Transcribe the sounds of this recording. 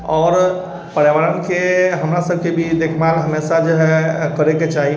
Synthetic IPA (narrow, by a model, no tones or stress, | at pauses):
ɔːɾ | pəɽjeʋaːɾənkeɦɐmɾasəb̚ʱkebʱid̪eːkʰmaːlɦəmeːsad͡ʒoɦɛkəɾeket͡ʃaːɦi